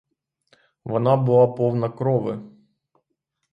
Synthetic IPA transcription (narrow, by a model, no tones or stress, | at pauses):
ʋɔnɑbʊlˠɑpɔwnɐkɾɔʋɪ̰